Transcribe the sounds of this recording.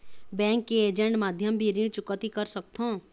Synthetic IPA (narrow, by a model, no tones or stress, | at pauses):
bɛ̃ːŋkːeeːd͡ʒə̃ɳʈmaːd̪ʱjəmbʱiɾĩt͡ʃʊkət̪ikəɾsək̚t̪ʰõ